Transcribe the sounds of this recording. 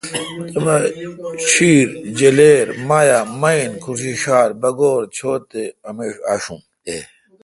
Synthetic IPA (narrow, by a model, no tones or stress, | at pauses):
t̪emɐɕiːɾd͡ʑeleːɾmaːjamɐinkʰuɾɕiɕaːɾbɐɡoːɾt͡ɕʰoːt̪eɐmeːʂa̰ːʂṵ̃m | t̪e